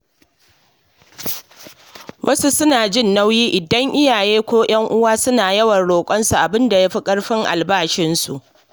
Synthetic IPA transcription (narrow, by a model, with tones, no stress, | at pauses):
wʔɐ˦su˦sʊ˦naː˨d͡ʒɪ˦˨nːa˦wjiː˦ʔɪ˨dɐ˦ŋʔɪ˦jaː˨jeː˦kʷoː˦j̰ɐ˦ŋʔʊ˦waː˦sʊ˦naː˨jɐ˦wɐ˨nɽoː˨kʷʼɔ˦nsu˨ʔa˨bɪ˦nda˨jaː˦ɸi˦kʼɐ˦ɽɸɪ˦ŋʔa̰˨lbaː˦˨ʃɪ˦nsu˨ʔ